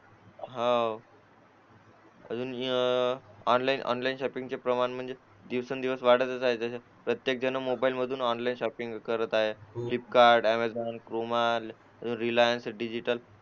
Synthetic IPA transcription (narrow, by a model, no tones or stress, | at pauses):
ɦaw | ə̰d͡zuːn | ɔnlainʔɔ̰nlainɕɔpiŋɡt͡ɕepɾəmaɳm̤əɳd͡ze | d̪iʋsənd̪iʋəsʋaɽ̤ət̪ət͡saɦed͡zəɕa | pɾət̪jek̚d͡ʑənəmobailməd̪ʱuːnɔnlainɕɔpiŋɡkəɾət̪aɦeklip̚kaɾɖæmad͡zɔnkɾumal | əd͡zuːnɾilajənsɖid͡ʑiʈəl